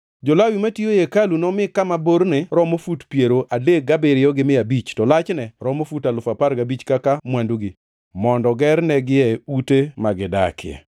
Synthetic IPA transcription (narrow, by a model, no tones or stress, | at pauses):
d͡ʒɔlawimatiojekalunɔmɪkːamaboɾneɾɔmofutpjeɾoʔadek̚ɡabeɾɪjɔɡɪmɪabit͡ʃtɔlat͡ʃnɛɾɔmofutalʊfapaɾɡabit͡ʃkakamwanduɡi | mɔndɔɡɛɾnɛɡɪɛutemaɡɪda̰kɪ̰ɛ̰